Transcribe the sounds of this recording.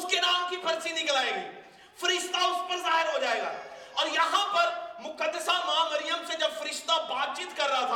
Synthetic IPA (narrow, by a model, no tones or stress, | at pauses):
ʊskenaːmkipʰɐɾsinɪklaːeːɡiː | fɐɾɪʃt̪aʊspɐɾzaːɦɪɾɦod͡ʒaːeːɡa̰ː | ɔːɾjɐɦãpɐɾmʊkəd̪ːəsamɦamɐɾɪjəmsed͡ʒɐbfɐɾɪʃt̪abaːt̪̚t͡ʃiːt̪kɐɾːɐɦat̪ʰaː